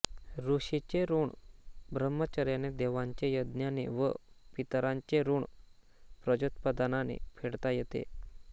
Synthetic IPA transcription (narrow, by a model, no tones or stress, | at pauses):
ɾuɕit͡ɕeɾuːɳbʱɾəmːət͡ɕaɾjaned̪eʋãɲt͡ɕejəd̪njanḛʋə̰pit̪ɾaɲt͡ɕeɾuːɳ | pɾəd͡ʑut̪pəd̪ananḛpʰeɽt̪ajet̪ḛ